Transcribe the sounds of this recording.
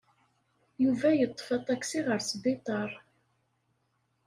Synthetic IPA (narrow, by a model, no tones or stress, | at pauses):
juvæjət̪ˤːə̥fɑt̪ˤɑkːsiʁəɾsd̪it̪ˤɑɾˤ